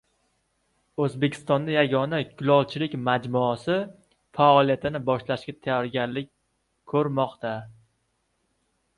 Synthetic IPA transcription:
ɵzbe̞kʲʰɪ̥st̪ɒnd̪ajaɡʲɒnakʲʰʊlˠɒlˠt͡ʃʰɪlɪkʲmad͡ʒmʊɒsɪ | faɒlˠijat̪ʰɪnɪbɒʃlaʃkʲat̪ʰajɒɾɡʲaɾlɪk̚ʲ | kʰːɵɾmɒqt̪ʰa

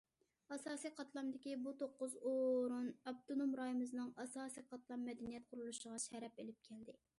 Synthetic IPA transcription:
ɑsɑːsijqʰɑt̪lˠɑmd̪ɪkʲibut̪ʰoqːʊzoɾunɑb̚t̪onomɾɑjimɨzɨnɨŋɑsɑːsijqʰɑt̪lˠɑmːɛd̪ɛnijɛt̪̚qʰʊɾulˠuʃəʁɑʃɛɾɛpelɪp̚kʲʰɛld̪ɪ

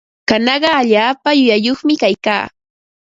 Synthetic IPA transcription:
kanɑɢɑaʎaːpajʊjajoχmɪkajka̰ː

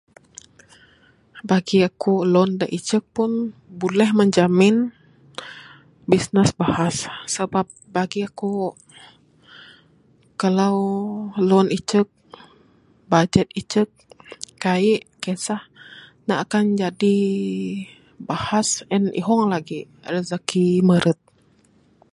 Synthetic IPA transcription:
baɡiakulɔndaʔit͡ʃək̚pʊnbulɛhməɲd͡ʒamɪn | bisnəsbahasːəbap̚baɡiaku | kalawlɔnit͡ʃək̚ | bad͡ʒɛt̪̚it͡ʃək̚ːaiʔkɛsahnaʔakand͡ʒadi | bahasənʔḭɦɔŋlaɡi | rəzakiməɾət̪̚

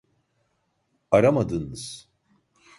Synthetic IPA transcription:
aɾamad̪ɯnɯz̥

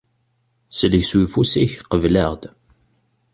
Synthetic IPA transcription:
sələʝswifusiçqəvləʁd̪

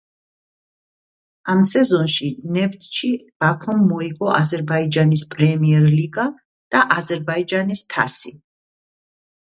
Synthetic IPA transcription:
amsɛzɔnʃinɛbt̪ʰʃib̥akʰɔmːɔiɡɔʔazɛɾbaid͡ʒanispʼɾɛmiɛɾliɡa | d̪̥aʔazɛɾbaid͡ʒanist̪ʰa̰si

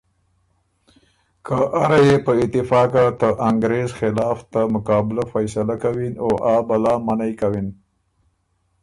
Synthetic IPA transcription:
kʰəʔaɾajepəɪt̪ɪfɑkat̪əʔaŋɡɾezxɪlɑft̪amʊkɑbɪlafajsalakawinoʔabalɑmanajkawin

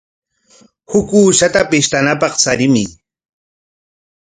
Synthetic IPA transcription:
hʊkuːʃat̪apɪʃt̪anapɑχsaɾɪmɪ

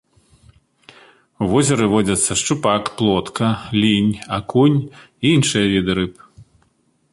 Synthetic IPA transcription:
wvɔzʲɐɾɨvɔd͡zʲɐt̪sːɐʂt͡ʂupakplˠɔt̪kʰɐlʲinʲakunʲ | iinʂɨjɐvʲid̪ɨɾɨpɨ̥

